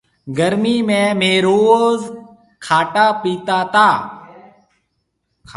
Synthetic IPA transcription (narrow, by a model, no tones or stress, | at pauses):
ɡəɾmiːmẽːmeːɾoːz | kʰaːʈaːpiːt̪aːt̪aː